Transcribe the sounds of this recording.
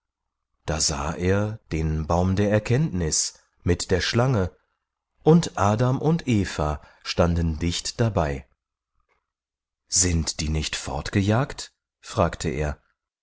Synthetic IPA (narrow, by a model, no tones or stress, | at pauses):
d̥aːza̰ːʔeːɐd̥eːnbaʊmdeːɐɛɐkʰɛntnɪs | mɪtd̥eːɐʃlaŋə | ʔʊntʔaːdamʔʊntʔeːfa | ʃtandn̩dɪçtd̥abaɪ | z̥ɪntd̥iːnɪçtfɔ̰ɐtɡ̥əjaːkt | fʁ̥aːktʰəʔḛːɐ